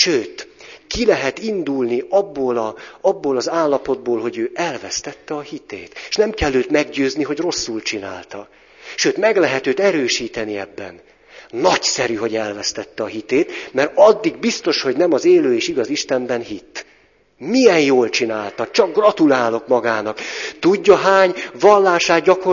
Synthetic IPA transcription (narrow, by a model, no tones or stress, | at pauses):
ʃøːt̪kilɛɦɛt̪ind̪ulniʔɒbːoːlɒɒbːoːlɒzaːlːɒpo̞d̪̚boːlɦo̞ɟøːʔɛlvɛst̪ɛt̪ːɛɒhit̪ḛːt̪e̥ʃnɛmkɛlːøːt̪mɛɡɟøːzniɦo̞ɟro̞sːult͡ʃina̰ːlt̪ɒ | ʃøːt̪mɛɡlɛɦɛt̪øːt̪ɛɾøːʃiːt̪ɛniɛbːɛ̰n | nɒcsɛɾyɦo̞ɟɛlvɛst̪ɛt̪ːɛɒɦit̪eːt̪mɛɾɒd̪ːiɡbist̪o̞ʃho̞ɟnɛmɒzeːløːeːʃiɡɒziʃt̪ɛmbɛnɦit̪ː | mijɛnjoːlt͡ʃinaːlt̪ɒt͡ʃɒɡ̚ɡrɒt̪ulaːlo̞kmɒɡaːnɒkt̪uɟːɒɦaːɲvɒlːaːʃaːt̪ɟɒko